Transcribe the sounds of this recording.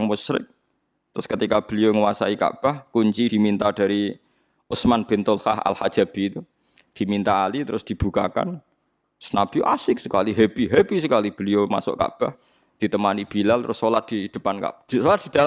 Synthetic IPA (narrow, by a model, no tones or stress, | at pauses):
ŋmusɾɪ̰k̚ | t̪əɾʊskət̪ikab̥ə̤lioŋəwasaika̰b̥ahkuɲt͡ʃid̪̥i̤mint̪ad̥a̤ɾi | ʊsmanb̥ent̪ʊlha̰ha̰lhḁd͡ʒ̥ab̥iːt̪u | d̪̥i̤mint̪aːlit̪əɾʊsd̪̥i̤b̥ṳkaka̰n | sənab̥iʔasɪk̚sə̥kaliɦebiɦebisəkalib̥əlioma̰sʊ̰ʔka̰b̥ah | d̪̥i̤t̪əmanib̥ilalt̪əɾʊsːolat̪̚d̥̪id̪̥ə̤panka̰bsolat̪̚d̥̪i̤d̪̥a